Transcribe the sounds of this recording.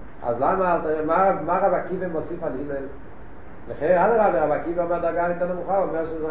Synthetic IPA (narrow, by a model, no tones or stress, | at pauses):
a̰zlamaːlt̪emaamaʁabakivemosifalimel | leχenalaʁaleʁabakiveomad̪aɡanit̪anemuχaomeʁʃez